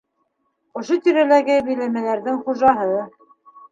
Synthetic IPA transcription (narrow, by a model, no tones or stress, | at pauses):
ŏʃot̪iɾælæɡɘbɘ̆jlæmælæɾðɘŋχuʒɑɦɤ